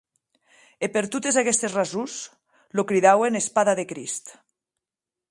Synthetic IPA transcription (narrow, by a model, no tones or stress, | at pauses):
epeɾt̪ut̪ezakɛst̪ezrazus | lokɾiðawenespaðaðekɾist̪